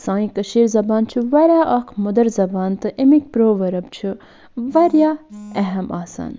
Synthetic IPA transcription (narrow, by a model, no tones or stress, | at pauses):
sãːĩkɐʃiːɾzɐbaːnt͡ʃʰiʋɐɾjaːʔɐkʰmʊd̪ɐɾzɐbaːnt̪ɨʔɪmik̚pɾoːʋɐɾɐbt͡ʃʰi | ʋɐɾjaːɛɦɐmaːsa̰ːn